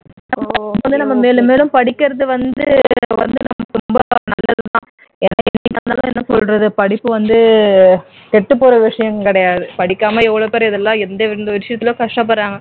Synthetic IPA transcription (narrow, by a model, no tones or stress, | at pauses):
nɐɐʋɐnd̪ɯnɐmːɐmeːlɯmeːlɯmpɐɽɪkːɪɾɐðɯʋɐnd̪ɯʋɐ̰nd̪ɯnɐmːɐt̪ʊmbɐnɐ̰lːɐðɯt̪ã̰ː | ɛnːɐnːɪnːaːnaːlɐ̃ɛnːɐsɔlɾɐðɯpɐɽɪpːɯʋɐnd̪ɯ | kɛʈːɯpːoːɾɐʋɪʂɐjɐmkɪɽɐjaːðɯpɐɽɪkːaːmɐɛʋːɐɭoːpeːɾɐɪðɛlːãːɛnd̪ɐʋɪɾnd̪ɐʋɪɾɪʂɪjɐt̪ːɪlõːkɐʂʈɐp̬ːɐɽːaːŋɡɐ